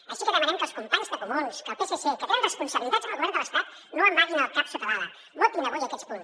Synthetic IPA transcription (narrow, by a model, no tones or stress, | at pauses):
əʃikəðəmənɛmkəlˠskump̪aɲzðəkumunskəlˠpesesekət̪eənrəspunsəβilit̪ad̪z̥ənəlˠɣuβɛɾnd̪ələst̪at̪ | noəmːaʒinəlˠkapsəpaɾaðə | not̪inəβojəkɛspun